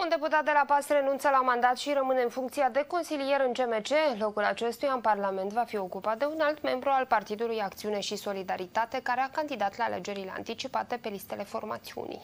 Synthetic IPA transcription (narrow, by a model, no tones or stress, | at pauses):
und̪e̞put̪at̪̚d̪e̞lapasre̞nunt̪səlamand̪at̪ʃiɾəmɨne̞ɨnfuŋkt̪siad̪e̞ko̞nsilije̞ɾɨnt͡ʃe̞me̞t͡ʃe̞lo̞kulat͡ʃe̞st̪ujaɨnparlame̞nt̪vafio̞kupat̪̚d̪e̞unalt̪me̞mbɾualpart̪id̪ulujakt̪siune̞ʃiso̞lid̪aɾit̪at̪e̞kaɾe̞akand̪id̪at̪laːle̞̰d͡ʒe̞ɾile̞a̰nt̪it͡ʃipat̪e̞pe̞list̪e̞le̞fo̞rma̰t̪siṵnḭj